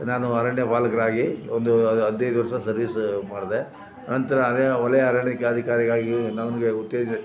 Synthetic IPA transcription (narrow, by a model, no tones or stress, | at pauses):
naːnuɐɾɐɳjɐpaːlɐkɐɾaːɡiond̪uɐd̪ejd̪uʋɐɾʂɐsɐɾʋiːsmaːɽd̪e | nɐnt̪ɐɾɐːnjɐʋɐlɐjɐːɾɐɳikɐɐd̪ʱikaːɾiɡaːɡinɐʋɐnɡeut̪jeːd͡ʒ